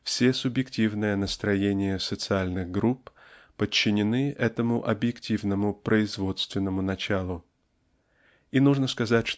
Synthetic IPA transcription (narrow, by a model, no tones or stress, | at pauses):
fsʲe̞sʊbjɪktʲivnɨjənəst̪ɾɐjenʲɪjəsət̪sɨalʲnɨɣɡɾuppət͡ɕːɪnʲɪnɨʔɛt̪əmʊʔɐbjɪktʲivnəmʊpɾʔəɪzvo̞t̪st̪vʲɪnːəmʊnɐt͡ɕalˠʊ | inuʐnəskɐzatʲʂ